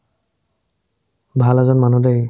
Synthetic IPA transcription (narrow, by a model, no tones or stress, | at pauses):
bʱalazɔnmanudej